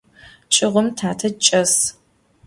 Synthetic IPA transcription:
t͡ʃʼɪʁʷʊmtʰaːtʰɐt͡ʃʼɐs

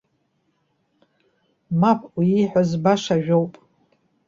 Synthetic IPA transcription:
mapʰʼwiːħʷᶣazbaʂaʒᶣowpʼ

